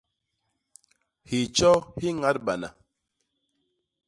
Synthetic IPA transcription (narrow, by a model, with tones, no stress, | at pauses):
hi˨t͡ʃɔ˦hi˦ŋa˦t̚ba˨na̰˨